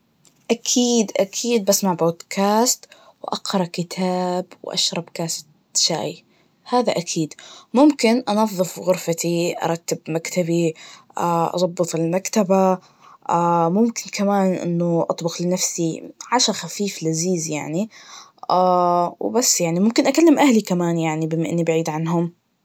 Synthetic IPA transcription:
ʔakʰiːd̪ʔakʰiːd̪̚basmaʕboːd̪kʰaːst̪ | wʔɑqɾˤɑkɪt̪ʰaːbwʔa̰ʃɾˤɑbkaːs | ʃa̰ːj | haːðaʔakʰiːd̪mʊmkɪnʔɑnɑðˤːɨfɣʊɾfat̪iʔɑ̰ɾˤɑt̪ːɪbmakt̪abiaʔɑ̰zˤɑbːɨt̪ˤɪlmakt̪aba | amʊmkɪnkʰamaːnʔɪ̰nːʊʔɑt̪ˤbʊqlɪnafsiʕaʃaxafiːflaziːzjaʕni | awbasːjaʕnimʊmkɪnʔakalːɪmʔahlikamaːnjaʕnibɪmːaʔɪnːibaʕiːd̪ʕanɦʊm

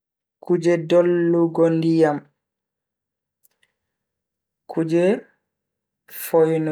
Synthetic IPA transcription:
kʰud͡ʒɛdɔlːuɡɔndijam | kʰud͡ʒɛ | fɔjn

